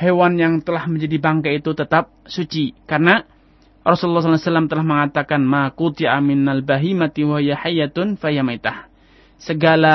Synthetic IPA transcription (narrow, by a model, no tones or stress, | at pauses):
hewanjaŋt̪əlahməɲd͡ʒadibaŋkait̪ut̪ət̪ap̚sut͡ʃikarəna | rɔsullːɑhs̬alasalːamt̪əlahməŋat̪akanmakut̪iʕamɪnalbaɦimat̪iwaɦijaħajat̪nfajamat̪ah | səɡala